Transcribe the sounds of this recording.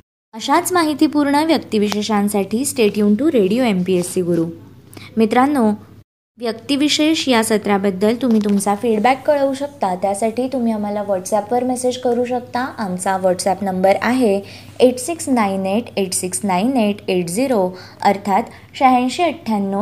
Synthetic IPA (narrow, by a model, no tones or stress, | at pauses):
əɕat͡smaɦit̪iːpuɾɳəʋjəkt̪iʋiɕeɕãnsaʈiːsʈeʈijunʈuɾeɽijoempiesːiɡɾuːmit̪ɾanːo | ʋjəkt̪iʋiɕeɕjasət̪ɾjabəd̪ːəlt̪um̤iːt̪umt͡safiɽbækːəɭəuɕəkt̪at̪jasaʈiːt̪umiːam̤alaʋəɾʈsɛpʋəɾmɛsed͡ʑkəɾuːɕ̬əkt̪aʔamt͡saʋəɾʈsæpnəmbəɾaɦe | eʈsiksnaineʈʰeʈsiksnaineʈʰeʈd͡ziɾo | əɾt̪ʰat̪ | ɕəɦãj̃ɕiːəʈʰːjanːo